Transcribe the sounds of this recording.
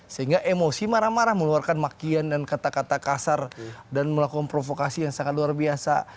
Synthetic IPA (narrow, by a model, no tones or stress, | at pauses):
səɦiŋɡaʔemosimaɾahmaɾahməluarkanmakiandankat̪akat̪akasardanməlakukanpɾofokasijaŋsaŋat̪̚luarbiasa̰